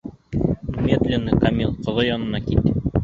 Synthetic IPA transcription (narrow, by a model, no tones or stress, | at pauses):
mʲet̪lʲenːɘkɐmʲilˠqŏðɤjɒnɤ̆nɑkit̪